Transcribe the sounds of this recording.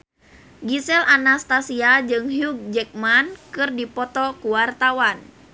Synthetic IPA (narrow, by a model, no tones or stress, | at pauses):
ɡisɛlanast̪asiad͡ʒɨŋɦjuk̚d͡ʒɛk̚mankɨrdipɔt̪ɔkuwart̪awan